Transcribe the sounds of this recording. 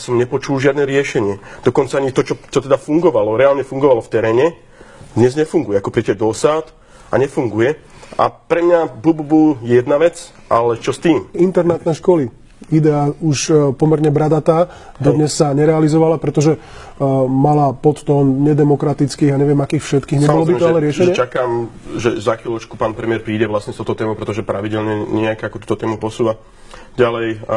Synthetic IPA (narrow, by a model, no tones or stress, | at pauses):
jasɔmɲɛpɔt͡ʃulʒɪad̪nɛɾɪɛʃɛɲɪɛd̪̥ɔkɔnt͡saaɲit̪ɔt͡ʃɔt͡ʃɔt̪ɛd̪afuŋɡɔʋalɔɾɛalɲɛfuŋɡɔʋalɔft̪ɛɾɛːɲɛ | d̪ɲɛzɲɛfuŋɡujɛakɔpɾiɛcɛd̪ɔsaːt̪ | a̰ɲɛfuŋɡujɛ | ʔa̰pɾɛmɲabububujɛjɛd̪naʋɛt͡s | a̰lɛt͡ʃɔst̪iːmint̪ɛɾnat̪nɛʃkɔli | id̪ɛauʃpɔmɛɾɲɛbɾad̪at̪aː | d̪ɔd̪ɲɛsːaɲɛɾɛalizɔʋalapɾɛt̪ɔʒɛ | malapɔt̪t̪ɔːnɲɛd̪ɛmɔkɾat̪it͡skiːɣaɲɛʋɪɛmakiːxfʃɛt̪kiːɣɲɛbɔllɔbit̪ɔalɛɾɪɛʃɛɲɲɪɛt͡ʃakamʒɛzaxilɔt͡ʃkupaːnpɾɛmɪɛɾpɾiːɟɛʋlasɲɛst̪ɔʊt̪ɔt̪ɛːmoʊpɾɛt̪ɔʒɛpɾaʋiɟɛlɲɛɲɪɛakːakut̪uːt̪ɔt̪ɛːmupɔsuːʋa | ɟalɛj